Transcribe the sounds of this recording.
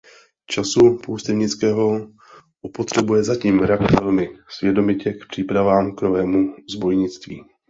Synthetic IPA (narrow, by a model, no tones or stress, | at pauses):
t͡ʃasupoust̪ɛvɲɪt͡skɛːɦo̞ | ʔupo̞t̪r̝̥ɛbujɛzaciːmɾakt̪ɛlmɪsvjɛdo̞mɪcɛkpr̥iːpɾavaːmknovɛːmuzbo̞jɲɪt͡st̪vḭː